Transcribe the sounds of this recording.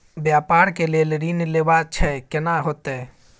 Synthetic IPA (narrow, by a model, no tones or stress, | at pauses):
bjapaɾkelelɾinlebat͡ʃʰɛkenaɦot̪e